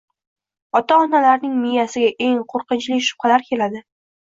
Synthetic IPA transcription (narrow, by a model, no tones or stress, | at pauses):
ɒt̪aɒnalaɾnɪŋmɪjasɪɡʲaʔe̞ŋqʰoɾqɨnt͡ʃlɪʃʊ̥pχɑlaɾkʲʰe̞lad̪ɪ